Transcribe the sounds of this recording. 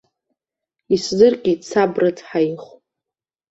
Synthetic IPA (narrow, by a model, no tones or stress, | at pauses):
iszɨrqʲʼit͡sʰabrat͡sʰħaiχ